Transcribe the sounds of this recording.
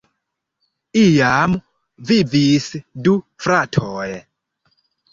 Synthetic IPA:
ijamu | vivisidu | fɾatʰɔːjɛ

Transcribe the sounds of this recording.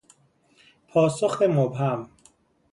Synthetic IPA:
pʰɒːsoxt̪emobɦæm

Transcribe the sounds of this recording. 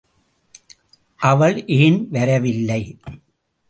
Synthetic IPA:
ʔɐʋɐɭʔeːnʋɐɾɐʋɪlːɐɪ

